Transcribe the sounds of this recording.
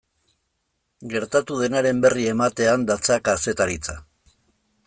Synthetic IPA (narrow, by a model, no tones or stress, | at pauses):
ɡe̞ɾt̪at̪uðe̞naɾe̞mbe̞rie̞mat̪e̞and̪at͡sakase̞t̪aɾit͡sa